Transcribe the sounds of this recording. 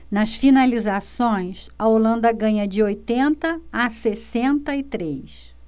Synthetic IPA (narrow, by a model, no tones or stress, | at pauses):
nɐsfinalizasõj̃sɐolɐ̃nd̪ɐɡɐ̃ɲɐd͡ʒɪojt̪ẽnt̪ɐːsesẽnt̪ɐɪt̪ɾejs